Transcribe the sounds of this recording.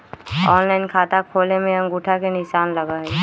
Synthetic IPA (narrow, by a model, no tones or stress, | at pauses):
ɔːnlaɪnkʰaːt̪akʰoːlemẽə̃ŋɡuːʈʰakenɪʃaːnləɡae